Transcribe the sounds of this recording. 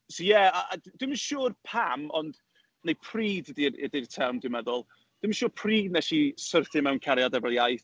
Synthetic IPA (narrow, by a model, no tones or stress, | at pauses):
sɔjɛaadwɪmənʃuːrpʰamɔnd̥ | nejpʰr̥iːddiɪ̰dɪrtʰɛmdɪməðʊlˠ | d̥ɪmənʃuːrpʰriːdnɛʃisərθɪmɛwnkʰaɾjadɛvɛlˠjajθ